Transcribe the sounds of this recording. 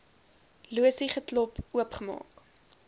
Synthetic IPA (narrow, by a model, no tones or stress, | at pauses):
luəsiχətlɔpuəpχəmɑ̰ːk